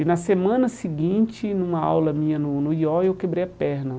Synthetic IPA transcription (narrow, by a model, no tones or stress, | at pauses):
nɐsemɐ̃nɐsiɡĩt͡ʃɪnũmɐa̰wlɐmĩɲɐnʊnʊiɔewkebɾejɐpɛɾnɐ